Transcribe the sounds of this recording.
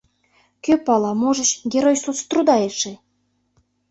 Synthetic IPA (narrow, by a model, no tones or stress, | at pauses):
køpɑlɑmoʒə̆ʃɡʲeɾojsut͡st̪rud̪ɑeʃĕ